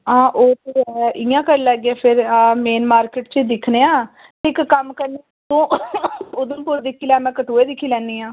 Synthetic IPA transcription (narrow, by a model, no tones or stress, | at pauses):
ãːʔoːt̪ːʔɪjãːkəɾlɛːɡeaːpʰɪɾmeːnmaːɾkeːʈt͡ʃed̪ɪkʰneːãː | t̪ʰɪkːəmkəɾneː | d̪õː | ʊd̪õːpʊɾd̪ɪkʰːiːlɛːmɛ̃ːkət̪oːeːd̪ɪkʰːiːlɛ̃ːnd̪iːãː